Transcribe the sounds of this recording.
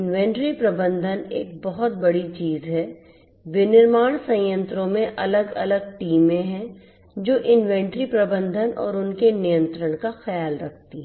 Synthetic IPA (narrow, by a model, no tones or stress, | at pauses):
ɪnʋɛ̃ːɳʈɾipɾɐbə̃nd̪ʱənḛːk̚bɐɦʊt̪̚bɐɽit͡ʃiːzɦɛ | bɪnɪɾmaːɽ̃sɐ̃jə̃nt̪ɾõmẽʔɐləɡɐləɡ̚ʈiːmẽɦɛ̃ | d͡ʒoːʔɪnʋɛ̃ːɳʈɾipɾɐbə̃nd̪ʱənɔ̰ːɾʊnkenijə̃nt̪ɾəɽ̃kaxɐjaːlɾɐk̚ʰt̪iɦɛ